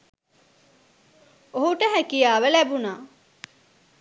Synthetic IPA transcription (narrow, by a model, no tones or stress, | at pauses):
oɦuʈəɦækijaːʋəlæbunaː